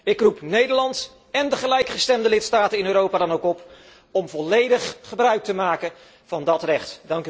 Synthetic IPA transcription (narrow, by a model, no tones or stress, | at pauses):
ɪkrupnejdəɹlɑnt | ɛndəχəlɛjkχəstɛmdəlɪtstaːtənɪnøːɾowpaːdɑnowkɔp | ɔmvɔlejdəχχəbrœɥk̚təmaːkə | v̥ɑndɑtrɛχtdɑŋk